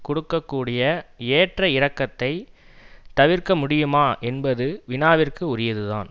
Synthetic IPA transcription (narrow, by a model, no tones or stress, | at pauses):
kʊɽɯkːɐkːuːɽɪjɐeːʈrɐɪɾɐkːɐt̪ːɐɪ | t̪ɐʋɪɾkɐmʊɽɪjɯmaːʔɛnbɐðɯʋɪnaːʋɪrkɯʊɾɪjɐðɯða̰ːn